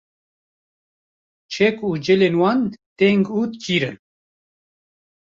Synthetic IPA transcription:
t͡ʃʰɛkud͡ʒɛlenwɑnt̪ɛŋɡut̪kʰiːɾɨn

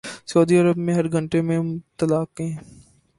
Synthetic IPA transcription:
soːd̪iɐɾəbmẽɦɐɾɡʱɐ̃ɳʈemẽt̪ɐlaːkɦẽː

